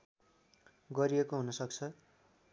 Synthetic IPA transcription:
ɡʌɾijekoɦunʌsʌk̚t͡sʰʌ

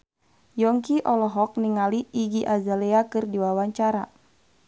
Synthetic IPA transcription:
jɔŋkiʔɔlɔɦɔk̚niŋaliːɡiʔazalɛakɨrdiwawaɲt͡ʃaɾa

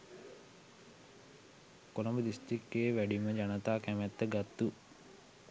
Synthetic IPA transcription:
kolɐmbəd̪isʈrikːeːʋæɖiməd͡ʒanət̪aːkæmɛt̪ːəɡat̪ːu

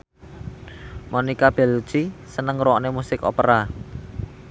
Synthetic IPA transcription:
monikab̥ɛ̤lu̥t͡ʃisənəŋɾɔnemusɪkɔ̰pəɾa

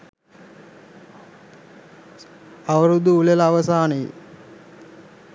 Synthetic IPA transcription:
aʋəɾud̪uːlelɐːʋəsaːnəji

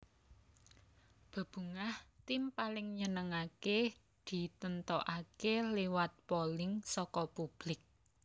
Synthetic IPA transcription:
b̥a̤b̥ṳŋaht̪impalɪŋɲənəŋake | d̪̥i̤t̪ənt̪ɔʔakelewat̪̚polɪŋsɔkɔpub̥lɪk̚

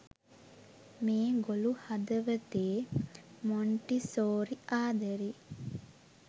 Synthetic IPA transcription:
meːɡoluhad̪əʋət̪eːmoɳʈisoːɾiʔaːd̪əɾi

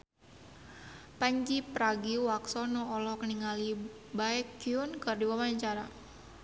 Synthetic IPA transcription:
paɲd͡ʒipɾaɡiwaksɔnɔɔlɔhkəniŋali | baɛkiunkɨrdiwamaɲt͡ʃaɾa

